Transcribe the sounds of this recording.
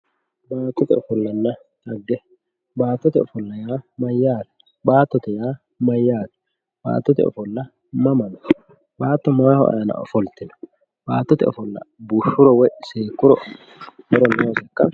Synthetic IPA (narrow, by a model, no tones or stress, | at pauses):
baːt̪ːɔt̪ɛɔfɔlːɐnːɐ | ɐɡɛ | baːt̪ːɔt̪ɛɔ̰fɔlːɐjaːmɐjːaːt̪ɛ̥ | baːt̪ːɔt̪ɛjaː | mɐjːaːt̪ɛ̥ | b̥a̰ːt̪ːɔt̪ɪ̰ɔ̰fɔlːɐ | mɐmɐnʊ̥ | baːt̪ːɔmaːhɔ̰ʔɐ̰nɐ̰ɔ̰fɔlt̪ɪnʊ̥ | baːt̪ːɔt̪ɛɔ̰fɔlːɐ̰buʃʊɾɔwɛseːkːʊɾɔ | hɔɾɔnoːsɛkːɐ